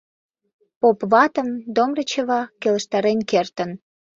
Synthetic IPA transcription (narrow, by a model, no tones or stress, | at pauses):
popβɑt̪ə̆md̪omrət͡ɕəβɑkelə̆ʃt̪ɑɾenkert̪ə̆n